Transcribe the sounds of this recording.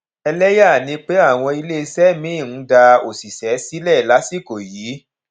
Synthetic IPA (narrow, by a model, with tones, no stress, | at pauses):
ɛ˧lɛ˦ja˦˨nĩ˨˧˦k͡pe˦a˦˨w̃ɔ̃˧i˧le˦˧sɛ˦mĩ˨˦˨ñ̩˨˦da˧o˨si˨sɛ˨˦si˦lɛ˦˨la˨˦si˦˨ko˨jiː˨˦